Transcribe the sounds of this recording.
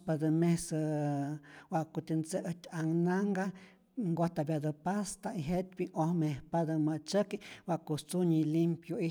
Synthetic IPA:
pad̪əmesə | waʔkut̪ənt͡seʔət̪ʲaŋnaŋɡa | ŋɡoht̪abjad̪əpast̪aiɦet̪ʲbiʔohmehpad̪əmət͡ʃəkiwaʔkust͡suɲilimpjoi

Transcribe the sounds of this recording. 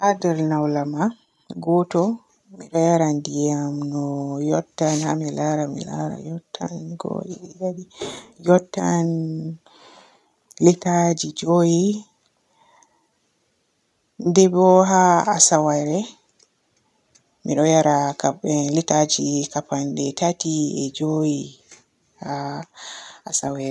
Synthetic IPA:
ʔadɛɾnawlama | ɡɔtɔ | miɗɔjaɾandijamnɔjɔtːanhamilaɾamḭla̰ɾa̰jɔtːanɡo̰jidaɗijɔtːan | litad͡ʒid͡ʒoji | dɛbɔɦaasawaɾɛ | miɗɔjaɾakabɛlitad͡ʒikapandɛtatiɛd͡ʒoji | haː | sawɛɾɛ

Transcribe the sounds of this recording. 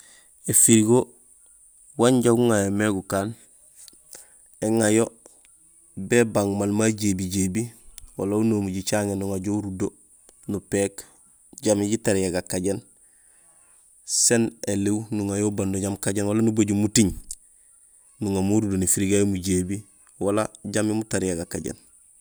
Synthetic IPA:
efiɾiɡo | waɲɟaɡuŋajomeɡukaːn | eŋajo | bebaŋmalmaɟeːbiɟebiwalaunoːmuɟit͡ʃaŋenːuŋaɟouɾudo | nupeːk | ɟamiɟitaɾijaɡakaɟen | senelewnuŋajobandoɟamkaɟenwalanuboɟumutiɲ | nuŋamuɾudonifiɾiɡajomuɟeːbi | walaɟamimutaɾijaɡakːaɟḛn

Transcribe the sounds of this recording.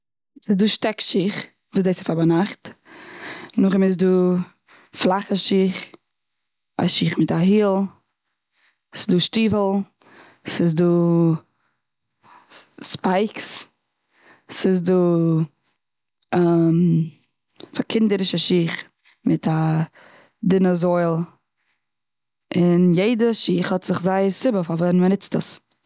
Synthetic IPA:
sɪzduːʃtɛkʃiχ | vuːsdeɪsɪfabanaχt | nʊχɪmɪz̬duː | flˠaχəʃiːχ | a̰ʃiːχmɪtaɦiːlˠ | sɪ̥zduːʃtiːvl̩ˠ | sɪsduː | spaɪks | sɪs̬duː | m | fakʰɪndəɾɪʃaʃiːχ | mɪtʰa | dɪnəzɔɪlˠ | ɪnjeɪdəʃiːχhɔtz̥ɪχzaɪəɾsɪbəfavɛnmənɪt͡stə̰s

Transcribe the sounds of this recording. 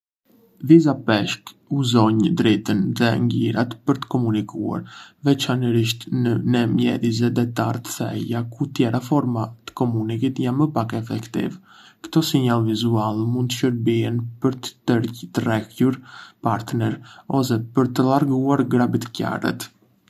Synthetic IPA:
vizapɛʃk | uzɔɲd̪ɾɛt̪ənðɛŋɡiɾa̰t̪pəɾt̪ə̥kɔmunikʰua̰ɾvɛt͡ʃanəɾiʃt̪nənɛmjɛ̰ðizɛd̪ɛt̪a̰ɾt̪ə̥θɛ̰jakut̪jɛɾafɔɾmat̪ə̥kɔmunikit̪janməpakɛfɛkt̪ḭv | kt̪ɔsiɲalˠvizualˠmund̪əʃəɾbiɛnpəɾt̪əɾt̪ərɛkuɾpaɾt̪nɛɾɔs̬ɛpəɾt̪əlaɾɡuaɾɡɾabit̪əca̰rɛ̰t̪

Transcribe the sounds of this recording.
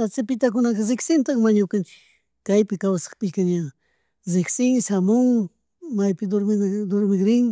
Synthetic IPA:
t̪at͡sɪpɪt̪ak̬ʊnaqɑɾɪksɪnt̪ɑχmaɲakant͡ʃɪ̥k | kajpɪkawsɑ̥χpɪʎkaɲa | zɪksɪŋsamʊŋ | majpɪd̪oɾmɪd̪oɾmɪɡɾɪŋ

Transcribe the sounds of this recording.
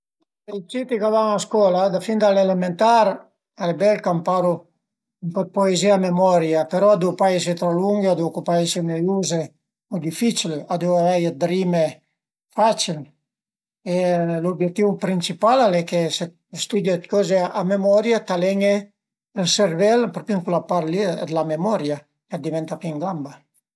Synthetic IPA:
ejt͡ʃit̪ikavaŋaskwɔlad̪afind̪alelement̪aɾ | albɛlkampaɾu | iŋkɔt̪̚poeziamemɔɾjapeɾɔad̪uwpaes̬it̪ɾɔluŋɡad̪ukupaesineuze | mud̪ifit͡ʃiliad̪uwavɛjad̪ɾime | fat͡ʃil | elobjɛk̚t̪ːivupɾint͡ʃipalalɛkese | st̪ud̪jat̪kɔzeamemɔɾjat̪alɛɲe | elservɛlpɾɔpiŋkulapaɾlid̪lamemɔɾja | kad̪ivɛnt̪apiŋɡamba

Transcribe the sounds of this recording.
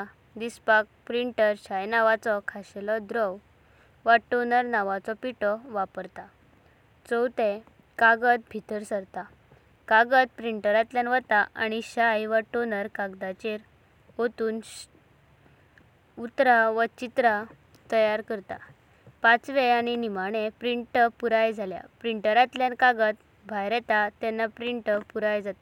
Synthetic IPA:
d̪ispak̚pɾiɳʈəɾɕajnaʋat͡sɔkʰaɕelɔd̪ɾɔw | ʋəʈːonəɾnaʋat͡sɔpiʈɔʋapəɾt̪a | t͡sɔwt̪e | kaɡət̪̚bʱit̪əɾsəɾt̪a | kaɡət̪̚pɾiɳʈəɾat̪ljanʋət̪aaɽ̃iɕajʋəʈːonəɾkaɡd̪at͡ɕeɾ | ot̪uːn | ut̪ɾaʋət͡ɕit̪ɾa | t̪əjaɾkəɾt̪a̰ | pãt͡sʋeaɽ̃inimaɽ̃ẽpɾiɳʈəpuɾajd͡zʱalja̰pɾiɳʈəɾat̪ljãnkaɡət̪ | bʱajɾɛt̪at̪ɛnːapɾiɳʈəpuɾajd͡zat̪a

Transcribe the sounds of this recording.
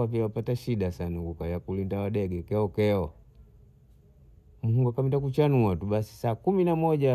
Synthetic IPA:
apiawapataʃiɗasanaɡukajakulindawaɗɛɡɛkɛɔkɛɔ | muhuŋɡakamindak̬ut͡ʃanuatuɓasi̥saːkuminamɔʄa

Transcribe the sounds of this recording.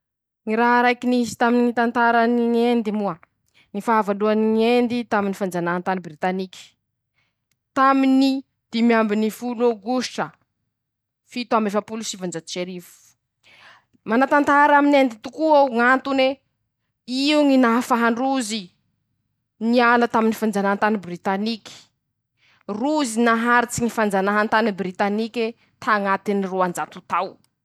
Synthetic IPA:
ŋiɾaɦɾajkinizi̥t̪aminit̪ant̪aɾaniŋend̪imua | nifaːvaluaniŋend̪it̪aminifand͡ʒanant̪anibrit̪anikʲi̥ | t̪amini | d̪̥imiambinifuloɡuʃʈ͡ʂə | fit̪uamefapulusivand͡ʒat͡ʃeɾifu̥ | manat̪ant̪aɾaminend̪it̪ukuawŋant̪une | iuŋinaɦfaɦaɳɖ͡ʐuzi | nialət̪aminifand͡zanaɦant̪anibrit̪anikʲi̥ | ruzinaɦaɾit͡siŋifand͡zanaɦant̪anibrit̪anikʲe | t̪ʰaŋat̪iniroand͡zat̪ut̪aw

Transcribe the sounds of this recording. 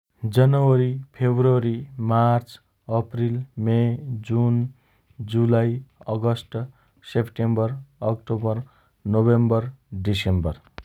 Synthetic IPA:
d͡zʌnʌwʌɾipʰebroɾimart͡s | ʌprilmed͡zun | d͡zulajʌɡʌsʈ | sepʈembʌrʌkʈobʌr | nobembʌrɖisembʌr

